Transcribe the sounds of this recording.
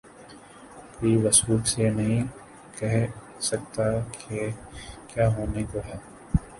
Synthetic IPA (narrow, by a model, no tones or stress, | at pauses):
koːiʋɐsuːlsenɐɦĩ | kɛɦ | sɐk̚t̪akʰekjaːɦoːnekoɦɛː